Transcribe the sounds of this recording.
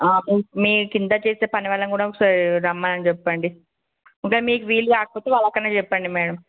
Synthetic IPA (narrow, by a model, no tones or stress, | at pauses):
aːmiːkumiːkind̪aːt͡ʃeːst̪eːpɐniʋɛɭːɐŋkuːɽaksaːɾɾɐmːaɐnt͡ʃɛpːɐɳɖi | iŋkaːmiːkuʋiːluɡaːkɐpoːt̪eːʋaːɭːɐkːɐnːeːt͡ʃɛpːɐɳɖimɛːɽɐm